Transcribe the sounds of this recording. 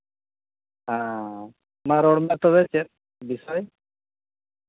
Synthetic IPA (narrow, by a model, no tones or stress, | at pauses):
a | maɾɔɽmat̪ɔβɛt͡ʃɛt̚ | bisɔj